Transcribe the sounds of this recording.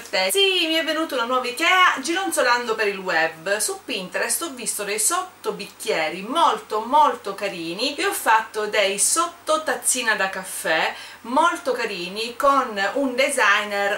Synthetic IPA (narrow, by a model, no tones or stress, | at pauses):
t̪ɛsimiɛvːenuːt̪aunanwɔːvikɛːad͡ʒinont̪soland̪opeɾilwɛbːsupːint̪ɛɾɛst̪ɔvːist̪od̪ɛjsɔt̪ːobikːjɛːɾimɔlt̪omolt̪okaɾiːnieɔfːat̪ːod̪ɛjsɔt̪ːot̪at̪sːiːnad̪akafːɛ | molt̪okaɾiːnikonund̪ɛzajnɛɾ